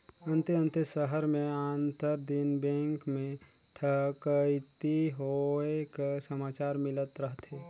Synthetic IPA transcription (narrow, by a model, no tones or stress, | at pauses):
ə̃nt̪eə̃nt̪esəɦəɾmẽaːnt̪əɾd̪inbɛ̃ːŋkmẽ | ʈʰəkət̪iɦoekasəmaːt͡ʃaːɾmɪlət̪ɾəɦt̪eː